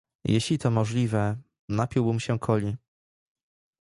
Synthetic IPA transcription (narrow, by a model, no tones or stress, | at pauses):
jeɕlʲit̪ɔmɔʐlʲivɛ | napʲiwbɘmɕɛkʰɔlʲi